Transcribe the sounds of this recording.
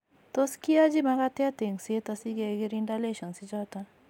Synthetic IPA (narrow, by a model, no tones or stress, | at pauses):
t̪oskiad͡ʒimakat̪jat̪eŋset̪asiɡeɡiɾindaleʃɔnsid͡ʒɔt̪a